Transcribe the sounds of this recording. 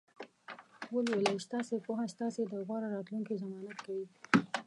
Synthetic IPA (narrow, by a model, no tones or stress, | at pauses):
wolwelajʃt̪ɑsepoɦast̪ɑsed̪əɣwɑɾaɾɑt̪luŋkizamɑnat̪kawi